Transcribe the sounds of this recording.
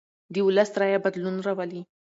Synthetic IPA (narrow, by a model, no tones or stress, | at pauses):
d̪əʊləsɾajabad̪lunɾawəli